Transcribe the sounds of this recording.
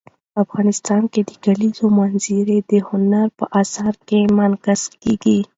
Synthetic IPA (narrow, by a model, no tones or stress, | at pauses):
pəafɣɑnɪst̪ɑnked̪əɡalizomanziɾed̪əhʊnaɾpəʔɑsɑɾkemankaz̥keɡi